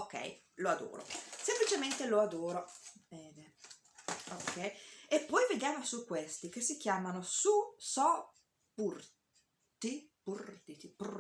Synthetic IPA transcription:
okːɛ̰j | load̪o̰ːɾo̰semplit͡ʃement̪eload̪oːɾovɛːd̪e | okʰːɛjepːɔjved̪jaːmosukːwest̪ik̟esːik̟jaːmanosusɔ | pur | t̪ipurt̪it̪ip

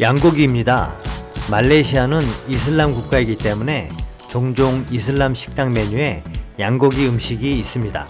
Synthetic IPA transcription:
jaŋɡuɡiːmɲida̰maɭːe̞ɕʰianɯnis̬ʰɯɭːamkuk̚k͈aiɡit͈e̞mune̞ | t͡ɕoŋd͡ʑoŋis̬ʰɯɭːamɕʰi̥k̚t͈aŋme̞ɲue̞jaŋɡuɡiɯmɕʰiɡiːs͈ɯmɲida̰

